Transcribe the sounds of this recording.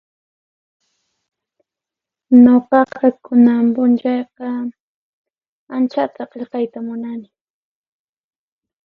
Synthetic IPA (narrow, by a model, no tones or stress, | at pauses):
noqɑqɑkʊnampʊnt͡ʃɑjqɑ | ant͡ʃat̪ʰaqeʎqɑjt̪amʊnanɪ